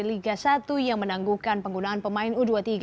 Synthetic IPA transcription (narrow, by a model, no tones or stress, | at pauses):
iliɡasat̪ujaŋmənaŋɡukanpəŋɡunaːnpəmaɪnuduat̪iɡ